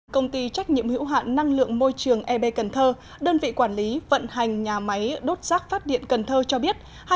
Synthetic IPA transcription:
kə˧wŋ͡mt̪i˧t͡ɕa˦˥jk̚ɲḭ˧˨əmhḭ˧˥wɦa̰ː˧˨nːa˧ŋlɨ̰˧˨əŋmo˧jt͡ɕɨ˨˩əŋʔɛ˧ɓe˧kə˨˩nt̪ʰəː˧ | ɗəː˧nvḭ˧˨kwaː˧˩nli˨˦və̰˧˨nha˨˩jŋ̟ɲaː˨˩ma˨˦jɗo˦˥t̚z̥aː˦˥k̚faː˦˥t̚ɗḭ˧˨ənkə˨˩nt̪ʰəː˧t͡ɕɔ˧ɓi˦˥ət̚ | ha˧

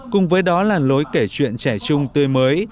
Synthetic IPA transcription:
kʊ˨˩ŋ͡mvəː˨˦jɗɔ˨˦laː˨˩nlo˨˦jke˧˩t͡ɕwḭ˧˨ənt͡ɕɛ˧˩t͡ɕʊ˧ŋ͡mt̪we˧məː˨˦j

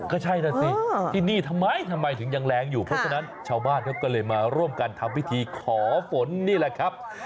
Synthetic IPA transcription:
kɔː˥˩t͡ɕʰa˥˩jna˦˥˩si˦˧˥t̪ʰiː˥˩niː˥˩t̪ʰa˧mːa˦˥jt̪ʰa˧mːa˧jt̪ʰɯ˩˦ŋja˧ŋlɛː˧˥ŋjuː˨˩pʰɾɔ˦˥t͡ɕʰa˧na˦˥nt͡ɕʰaː˧wbaː˥˩nkʰa˦˥˩kɔː˥˩lɤː˧jmaː˧ɾu˥˩əmka˧nt̪ʰa˧mwi˦˥t̪ʰiː˧kʰɔː˩˦fo˨˦nːiː˥˩la˨˩kʰɾa˦˥p̚

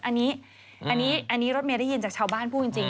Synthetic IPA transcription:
ʔa˧nːiː˦˥ | ʔa˧nːiː˦˥ʔa˧nːiː˦˥ɾo˦˥t̪̚mi˧da˥˩ji˧nt͡ɕa˨˩k̚t͡ɕʰaː˧wbaː˥˩npʰu˥˩t͡ɕi˧ŋt͡ɕi˧ŋ

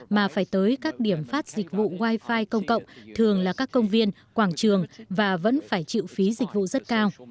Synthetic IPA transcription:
maː˨˩faː˧˩jt̪əː˨˦jkaː˦˥k̚ɗi˧˩əmfaː˦˥t̚z̥i˨˩k̟̚vṵ˧˨ɣwaː˧jfaː˧jkə˧wŋ͡mkə̰˧˨wŋ͡mt̪ʰɨ˨˩əŋlaː˨˩kaː˦˥kːə˧wŋ͡mvi˧ən | kwaː˧˩ŋt͡ɕɨ˨˩əŋvaː˨˩və̰˧˥nfaː˧˩jt͡ɕḭ˧˨wfi˨˦zï˨˩k̟̚vṵ˧˨zə˦˥t̚kaː˧w

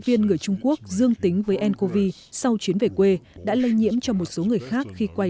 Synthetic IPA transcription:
vi˧ənŋɨ˨˩əjt͡ɕʊ˧ŋ͡mku˦˥ək̚zɨ˧əŋt̪ï˨˦ŋ̟vəː˨˦jʔɛ˧nko˧vi˧ | sa˧wt͡ɕwi˨˦ənve˨˩kwe˧ɗa̰ː˧˥lə˧jɲḭ˧˥əmt͡ɕɔ˧mo˨˩t̚so˨˦ŋɨ˨˩əjxaː˦˥k̚xi˧kwa˧j

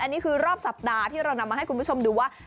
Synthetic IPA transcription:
ʔa˧nːiː˦˥kʰɯː˧ɾɔː˥˩p̚sa˨˩p̚daː˧t̪ʰiː˥˩ɾa˧wna˧mːaː˧ɦa˥˩jkʰu˧npʰu˥˩t͡ɕʰo˧mduː˧waː˥˩

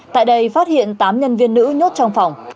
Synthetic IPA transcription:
t̪a̰ː˧˨jɗə˧jfaː˦˥t̚hḭ˧˨ənt̪aː˨˦mɲə˧nvi˧ənːɨ̰˧˥ɲo˦˥t̚t͡ɕɔ˧wŋ͡mfa˨˩wŋ͡m

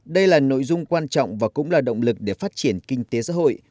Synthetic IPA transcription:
ɗə˧jlaː˨˩no̰˧˨jzʊ˧ŋ͡mkwaː˧nt͡ɕɔ̰˧˨wŋ͡mvaː˨˩kʊ̰˧˥ŋ͡mlaː˨˩ɗə̰˧˨wŋ͡mlɨ˨˩k̚ɗe˧˩faː˦˥t̚t͡ɕi˧˩ənkï˧ŋ̟t̪e˨˦sa̰ː˧˥ɦo̰˧˨j

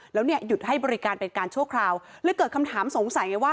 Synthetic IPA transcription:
lɛː˦˥wni˥˩ɐju˨˩t̪̚ɦa˥˩jbɔː˧ɾi˦˥kaː˧npe˧nkaː˧nt͡ɕʰu˥˩əkʰɾaː˧wlɛː˦˥kɤː˨˩kʰmt̪ʰaː˩˦mso˩˦ŋsa˨˩˦jŋa˧jwaː˥˩

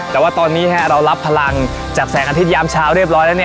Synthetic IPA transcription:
t̪ɛː˨˩waː˥˩t̪ɔː˧nːiː˦˥˦a˦˥ɾa˧wla˦˥pʰːa˧la˧ŋ | t͡ɕaː˨˩k̚sɛː˩˦ŋʔa˧i˦˥jaː˧mt͡ɕʰaː˦˥˩wɾi˥˩əp̚ɾɔː˦˥jnɛː˦˥ni˥˩

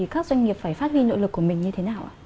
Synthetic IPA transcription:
i˨˩kaː˦˥k̚zwa˧jŋ̟ŋi˨˩əp̚faː˧˩jfaː˦˥t̚hwi˧no̰˧˥lɨ˨˩kːu˧˩mï˨˩ŋ̟ɲɨ˧t̪ʰe˨˦naː˨˩wʔa̰ː˨˧˩

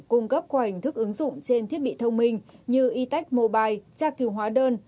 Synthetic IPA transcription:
kʊ˧ŋ͡mkə˦˥p̚kaː˧˩ha˨˩ŋ̟t̪ʰɨ˦˥k̚ʔɨ˨˦ŋzʊ̰˧˨ŋ͡mt͡ɕe˧nt̪ʰi˦˥ət̚ɓḭ˧˨t̪ʰə˧wŋ͡mmï˧˩ŋ̟ɲɨ˧ʔi˨˧˦t̪a˦˥jk̟̚mo˧˩ɓaː˨˩jt͡ɕaː˧ki˨˩əwɦwaː˨˦ɗəː˧n

